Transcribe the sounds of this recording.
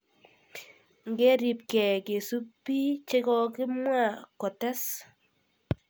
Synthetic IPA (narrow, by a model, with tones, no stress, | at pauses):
ŋɡɛ˦ɾi˨p̚kɛ˨ke˨su˦pːi˦t͡ʃe˦kɔ˧kɪ˦mwa˦˨kɔ˨ta˦s